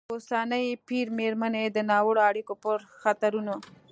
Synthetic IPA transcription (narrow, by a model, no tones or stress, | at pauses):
osanəjpiɾmeɾmaned̪ənɑwəɽoaɽikopəɾxat̪aɾuno